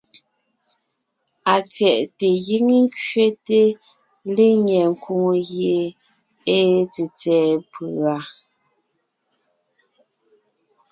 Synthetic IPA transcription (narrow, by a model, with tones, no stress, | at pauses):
a˨t͡sjɛ˨ʔte˨ɣi˦ŋ˦ŋ˦kɥe˦te˦ | le˦ɲɛ˨ŋ̩˨kʰo˨ŋo˨ɣje˨ | e˦t͡se˨t͡sɛː˨pɯ˨a˨